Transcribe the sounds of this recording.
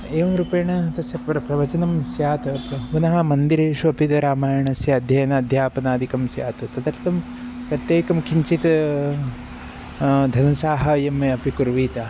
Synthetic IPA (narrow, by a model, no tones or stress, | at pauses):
eːʋɐmɾupɐjɐɳɐt̪ɐsjɐpɾɐpɾɐʋɐt͡ʃɐnɐmsjaːt̪ɐpɐkunɐɦɐmɐnd̪iɾeːʃuɐpit̪ɐɾaːmaːjɐɳɐsjɐːd̪ʱjɐjɐnɐːd̪ʱjaːpɐnaːd̪ʱikɐmsja̰ːt̪ɐt̪ɐd̪ɐɾt̪ɐm | pɾɐt̪jeːkɐmkiɲt͡ʃit̪ | d̪ʱɐnɐsaːɦɐ̆jɐmɐpikuɾʋiːt̪ɐ